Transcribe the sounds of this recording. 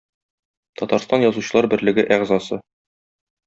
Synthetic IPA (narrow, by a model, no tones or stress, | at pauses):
t̪ɒt̪ɑɾst̪ɑnjɒzuɕɤ̆lˠɑɾbɘ̆ɾlɘ̆ɡɘʔæʁzɑsɤ